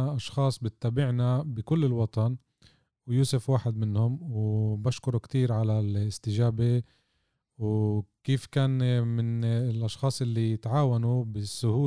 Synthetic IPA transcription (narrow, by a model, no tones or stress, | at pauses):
ʔɑʃxɑːsˤbɪt̪ːaːbɪʕnabɪkʊlːɪlwɑt̪ˤɑn | wjuːsɪfwaːħɪd̪̚mɪnhʊmwbaʃkʊɾukt̪iːɾʕalalɪst̪ɪʒaːbe | wkiːfkaːnmɪnlʔɑʃxɑːsˤʔɪlːijɪt̪ʕaːwanubɪsːʊhuː